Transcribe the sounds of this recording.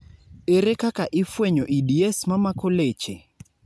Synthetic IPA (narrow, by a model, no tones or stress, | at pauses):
eɾekakaʔɪfweɲoʔidiesmamakolet͡ʃe